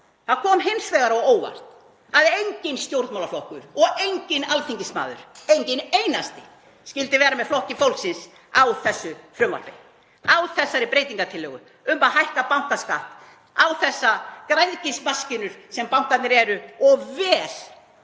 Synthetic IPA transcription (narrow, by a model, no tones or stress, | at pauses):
θaðkʰɔːmɦejnsvɛɣaɾaɔwoːwva̰r̥t̪ | aðejɲcɪnst̪jowɾt̪mawlaflɔhkʏɾɔɣejɲcɪnalt̪ʰiɲcɪsma̰ːðʏ̰ɾ̥ejɲcɪnejnast̪ɪ | scʲɪlt̪ɪvɛːɾamɛðflɔhcɪfowlksɪns | awθɛsːʏfɾʏmva̰l̥pɪ | awθɛsːaɾɪpɾejt̪iŋkat̪ʰɪlːœːɣʏ̰ | ʏmːaɦajhkapawŋ̥kaskaht̪ | awθɛsːakɾajðcɪsmascɪnʏɾ̥sɛmpawŋ̥kat̪nɪɾɛɾʏɔɣvɛːɾ̥